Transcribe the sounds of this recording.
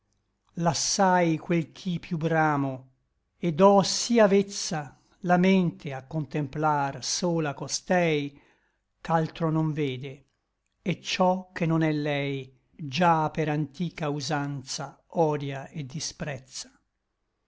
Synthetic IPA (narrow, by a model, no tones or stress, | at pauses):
lasːajkwelkʰipːjubɾaːmo | ed̪ɔsiavet̪sːa | lament̪ʰeakːont̪emplarsoːlakost̪ɛj | kalt̪ɾonoɱveːd̪e | ɛt͡ʃːɔkʰːenonɛlːɛj | d͡ʒapːeɾant̪iːkauzant̪saɔːd̪jaed̪ːispɾɛt̪sḁ